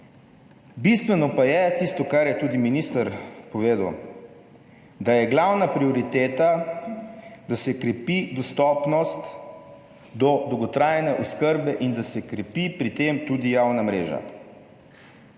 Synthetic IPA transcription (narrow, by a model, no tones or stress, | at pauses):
bist̪ʋɛnɔpajɛt̪ist̪ɔkaɾjɛt̪uːd̪iminist̪əɾpɔʋeːd̪əw | d̪ajɛɡlawnapɾiɔɾit̪eːt̪a | d̪asɛkɾɛpid̪ɔst̪ɔpnɔst̪ | d̪ɔd̪ɔwɡɔt̪ɾaːjnɛʔuskəɾbɛʔind̪asɛkɾɛpipɾit̪emt̪ud̪ijawnamɾḛːʒa̰